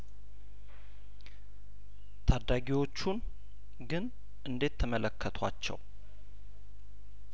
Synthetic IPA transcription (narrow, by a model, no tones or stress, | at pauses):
t̪ʰad̪ːaɡiwo̞t͡ʃːun | ɡɨn | ʔɨnd̪e̞t̪ʰːəmələkʰːət̪ʰa̰t͡ʃːɛ̰w